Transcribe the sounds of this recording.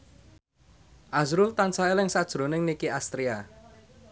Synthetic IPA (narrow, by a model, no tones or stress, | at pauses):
ʔasɾʊlt̪ansaelɪŋsad̥ʒ̥ɾo̤nɪŋnikiast̪ɾia